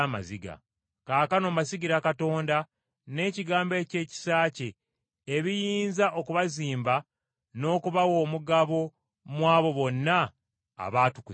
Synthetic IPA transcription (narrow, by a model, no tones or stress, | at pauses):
ama̰ziɡa̰ | kaːkano̞ːmasiɡiɾakato̞ːnda | ne̞ːciɡaːmbe̞ːce̞ːci̥saːce̞ː | βijiːnzaʔokuβaziːmba | no̞ːkuβawo̞ːmuɡaβo̞ | mwaːβo̞βo̞nːa | a̰βaːtuku